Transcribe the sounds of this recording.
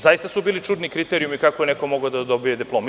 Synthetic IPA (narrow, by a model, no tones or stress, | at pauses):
zajist̪asubiːlit͡ʃud̪nikɾit̪eɾijumikakoeneko̞moɡad̪ad̪obijed̪iplˠoːm